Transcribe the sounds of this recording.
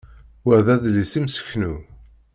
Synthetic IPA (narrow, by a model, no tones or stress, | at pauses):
wəɾðæðlisimsə̥çnu